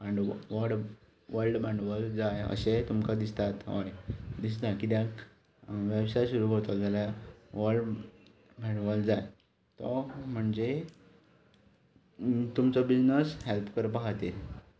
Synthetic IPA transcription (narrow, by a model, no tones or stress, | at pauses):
bãɳɖʋəɾɖ | ʋəɾlɖbãɳɖʋəld͡zajə̰set̪umkad̪ist̪at̪ɦo̰jd̪is̬t̪akit̪jã | ʋewsajɕuɾuɦot̪ad͡zaljaʋəɾɖ | bãɳɖʋəld͡zaj | t̪ɔm̤əɳd͡ze | t̪umt͡sɔbid͡znəshelpkəɾpaɦat̪e